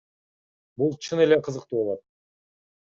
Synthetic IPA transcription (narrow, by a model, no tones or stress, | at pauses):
bulˠt͡ʃʰɯne̞leqʰɯzɯqt̪uːolˠɑt̪̚